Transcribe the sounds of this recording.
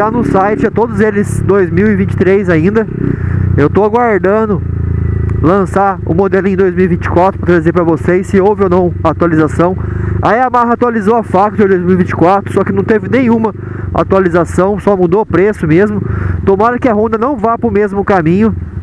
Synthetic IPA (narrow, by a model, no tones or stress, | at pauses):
anʊsajt͡ʃɪat̪od̪ʊzelɪsd̪ojzmiwɪvĩnt͡ʃɪ̥t̪ɾezaĩnd̪ɐ | ewt̪oaɡwaɾd̪ɐ̃d̪ʊ | lɐ̃saʊ̰mod̪elʊẽj̃d̪ojzmiuwivĩnt͡ʃɪ̥kwat̪ɾʊpɾɐt̪ɾaɪzeɾpɾɐvosesɪowvɪownɐ̃w̃ɐat̪ualizasɐ̃w̃a̰iɐmaɦɐat̪ualizoɐfakɐt͡ʃɛ̃d̪ojzmiuwivĩt͡ʃɪ̥kwat̪ɾʊsɔkɪnɐ̃w̃t̪evɪnẽj̃ũmɐ | a̰t̪ualizasɐ̃w̃sɔmud̪opɾesʊmezmʊt̪omaɾɐkɪɐɦõnd̪ɐnɐ̃w̃vajpɾʊmezmʊkamĩɲʊ